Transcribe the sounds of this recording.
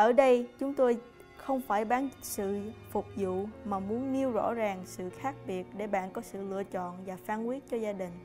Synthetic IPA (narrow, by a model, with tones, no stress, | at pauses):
ʔəː˧˩ɗə˧jt͡ɕʊ˨˦ŋ͡mt̪o˧j | xə˧wŋ͡mfaː˧˩jɓaː˨˦nsɨ̰˧˨fʊ˨˩k͡p̚zṵ˧˨maː˨˩mu˨˦ənni˧əwzɔ̰˧˥zaː˨˩ŋsɨ̰˧˨xaː˦˥k̚ɓi˨˩ət̚ɗe˧˩ɓa̰ː˧˨nkɔ˨˦sɨ̰˧˨lɨ̰˧ət͡ɕɔ̰˧˨nvaː˨˩faː˧nkwi˦˥ət̚t͡ɕɔ˧zaː˧ɗï˨˩ŋ̟